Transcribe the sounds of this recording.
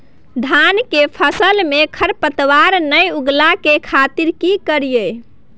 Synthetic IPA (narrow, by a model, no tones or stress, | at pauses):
d̪ʱankepʰəsəlmekʰəɾpət̪waɾnəjuɡlakekʰat̪iɾkikəɾijəj